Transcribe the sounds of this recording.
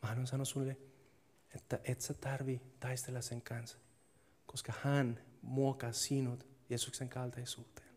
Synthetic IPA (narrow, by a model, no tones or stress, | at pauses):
mɑnonsɑnosulːe | et̪ːæʔet̪set̪ɑrʋit̪ɑjst̪elːɑseŋkɑns | koskɑhænmuokɑsinut̪jeːsukseŋkɑlt̪ɑjsuːt̪e̥ːn